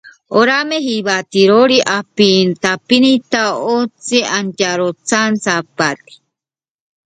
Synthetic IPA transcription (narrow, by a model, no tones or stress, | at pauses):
oɾameɦiβat̪iɾoɾiʔapint̪apinit̪aot͡siantaɾot͡sant͡sapat̪i̥